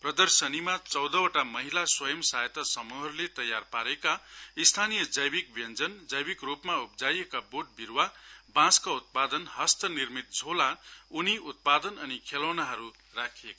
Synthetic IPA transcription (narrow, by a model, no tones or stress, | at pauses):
prʌd̪ʌrsʌnimat͡sʌwd̪ʌwoʈamʌɦilaswʌjʌmsajt̪ʌsʌmuɦʌɾulet̪ʌjarpaɾekaist̪ʰanijʌd͡zʌjbik̚bjʌnd͡zʌnd͡zʌjbikrupmaupd͡zajekaboʈ̚biɾwabãskaut̪̚pad̪ʌnɦʌst̪ʌnirmit̪̚d͡zʱolauniut̪̚pad̪ʌnʌnikʰelʌwnaɦʌɾu | rakʰieka